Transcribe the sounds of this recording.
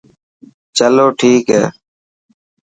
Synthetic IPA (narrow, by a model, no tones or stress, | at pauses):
t͡ʃəloːʈʰiːkɦɛ̰ː